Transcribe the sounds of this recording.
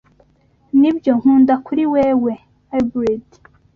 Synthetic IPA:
nibjo̞ŋ̥huːndakuɾiweːwe̞ | abɾed

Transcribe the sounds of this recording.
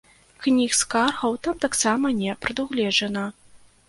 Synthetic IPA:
knʲixskarɣɐwt̪amt̪aksamɐnʲɛpɾɐd̪uɣlʲɛʐɐnɐ

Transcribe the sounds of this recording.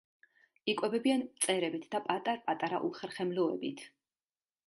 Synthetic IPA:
ikʼwɛbɛbiant̪sʼɛɾɛbit̪ʰd̪̥apʼat̪ʼaɾpʼat̪ʼaɾa̰ʔṵχɛɾχɛmlɔɛ̰bit̪ʰ

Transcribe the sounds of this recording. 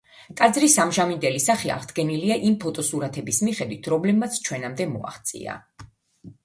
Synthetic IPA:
t̪ʼad̪zɾisamʒamind̪ɛlisaχia̰ʁd̪ɡɛniliaʔimpʰɔt̪ʼɔsuɾat̪ʰɛbismiχɛd̪wit̪ʰɾɔmlɛb̚mat̪sʰt͡ʃʰwɛnamd̪ɛmɔ̰a̰χt̪sʼḭa̰

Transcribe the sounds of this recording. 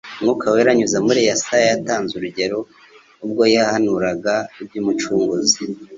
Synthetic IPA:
mŋukaweɾaɲuzamuɾejasajataːnzuɾuɟe̞ɾo̞ | ub̚ɡo̞jahanuɾaɡaib̚juːmut͡ʃuːŋɡuzi

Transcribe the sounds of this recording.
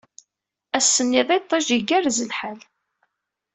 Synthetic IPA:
æsːənːiðˤɑjt̪ˤːɑʒiɡæɾzəlħal

